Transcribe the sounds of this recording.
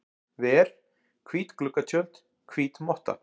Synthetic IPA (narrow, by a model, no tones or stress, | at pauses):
vɛːɾ̥ | kʰviːt̪klʏkːat̪ʰjœn̥t̪ | kʰviːt̪mɔht̪a̰